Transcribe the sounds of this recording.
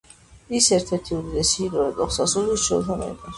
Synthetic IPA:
isɛɾt̪ʰɛɾt̪ʰiud̪id̪ɛsiːɾɔɛk̪ʼɔχsasuliːst͡ʃʰɔɾt̪ʰamɛ̰d̪aɾ

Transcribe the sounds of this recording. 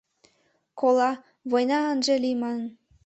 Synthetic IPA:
kolɑ | βojnɑɤnʒelimɑnn

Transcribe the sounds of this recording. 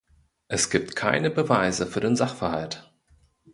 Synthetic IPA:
ʔɛsɡ̥iːp̚tkʰa̰ɪnəbəvaɪzəfyːɐɾeːnzaχfɛɐhalt

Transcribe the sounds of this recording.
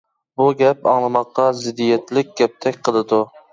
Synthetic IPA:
buɡʲɛp̚ɑ̰ŋlˠɨmɑqːɑzɪd̪ːijɛt̪lɪk̚ʲɡ̥ʲɛp̚t̪ʰɛkʲqʰəlˠɨd̪ʊ

